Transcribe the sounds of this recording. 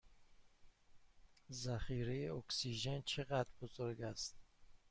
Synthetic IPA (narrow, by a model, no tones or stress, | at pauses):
zaχiːɾejeoksiʒent͡ʃʰeɣad̪ɾbozoɾɡast̪̚